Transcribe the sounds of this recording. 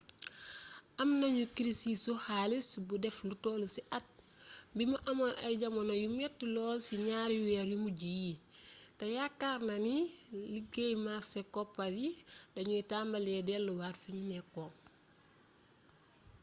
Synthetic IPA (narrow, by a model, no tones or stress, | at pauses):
ʔɐmnɐɲukɾisisuhaːlisbudɛflutɔlusiʔɐt̚mbimuʔɐmanʔɐɟɐmɐnojumɛtːulɔːsiɲaɾjuwɛɾjumuɟijitejakːaɾnɐniliɡejmasekɔpːɐdidɐɲutaːmbɐlɛdɛlːuwarfiɲinɛkːɔŋ